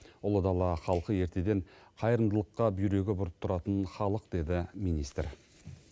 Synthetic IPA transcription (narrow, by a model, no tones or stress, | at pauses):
ʊlˠəd̪ɑlˠɑχɑlˠqəje̞ɾt̪ʰe̞d̪e̞ɴqʰɑjəɾənd̪əlˠəqːɑbijɾe̞ɡʲɪbʊɾət̪ʰːʊɾɑt̪ənχɑlˠəq̚d̪e̞d̪ɪmijnist̪ɾ